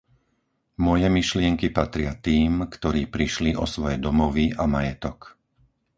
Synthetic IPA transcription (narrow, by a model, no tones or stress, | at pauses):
mɔjɛmiʃlɪɛŋkipat̪ɾɪat̪iːmkt̪ɔɾiːpɾiʃliʔɔsʋɔjɛd̪ɔmɔʋiʔamajɛt̪ɔk